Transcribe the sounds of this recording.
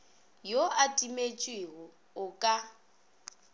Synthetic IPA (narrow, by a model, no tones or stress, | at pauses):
joʔatʼimet͡ʃʼwɪɣʊ | ʊkʼa